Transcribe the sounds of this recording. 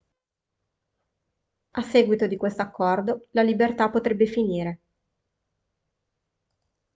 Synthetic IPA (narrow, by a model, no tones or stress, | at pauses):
asːeːɡwit̪od̪ikwest̪oakːɔrd̪olalibert̪apot̪ɾebːefiniːɾe